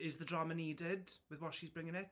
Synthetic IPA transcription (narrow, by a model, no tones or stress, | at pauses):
ɪzðədɹaməniːdɪdwɪðwɔtʃizbɹɪ̃ŋɪ̃ŋɪt